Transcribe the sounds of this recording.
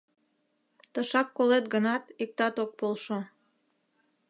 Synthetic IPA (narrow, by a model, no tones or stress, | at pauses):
t̪əʃɑkːolet̪̚ɡənɑt̪ik̚t̪ɑt̪ok̚polʃo